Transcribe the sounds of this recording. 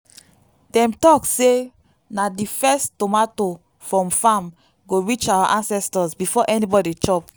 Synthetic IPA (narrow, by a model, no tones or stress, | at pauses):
dɛ̃mtɔkse | nadifɛstomato | fɹɔ̃mfam | ɡoɹit͡ʃawaʔãnsɛstɔsbifɔʔɛnibɔdit͡ʃɔp